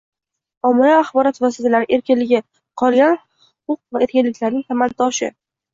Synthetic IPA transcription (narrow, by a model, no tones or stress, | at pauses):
ɒmɪɾaːχbɒɾɒt̪vɒsit̪ʰalaɾɪʔe̞ɾkʲɪnlɪɡʲɪ | qʰɒlˠɡʲanhʊhʊ̥qʊq̚vae̞ɾkʲɪnlɪkʲlaɾnɪŋt̪ʰamant̪ɒʃɪ̰